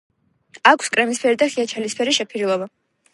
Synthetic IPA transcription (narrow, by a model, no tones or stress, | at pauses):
akʰskʼɾɛmispʰɛɾid̪aχiat͡ʃʰɛlispʰɛɾiʃɛpʰiɾilˠɔba